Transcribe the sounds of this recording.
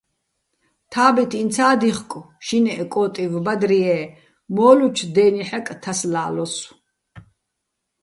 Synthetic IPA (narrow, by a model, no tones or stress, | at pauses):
t̪ʰaːbit̪ʰint̪t͡sʰaːd̪iχkʼ | ʃinɛʔɛkʼɔːt̪ʼivbad̪ɾiɛː | mɔːlut͡ʃʰd̪ɛːniħɛkʼt̪ʰaslaːlɔs